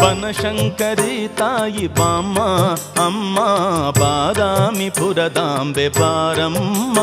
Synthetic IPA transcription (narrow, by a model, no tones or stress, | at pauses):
pɐnɐʃɐŋkɐɾit̪aːjibaːmːɐɐmːɐbaːd̪aːmibʱuɾɐd̪aːmbebaːɾɐmːɐ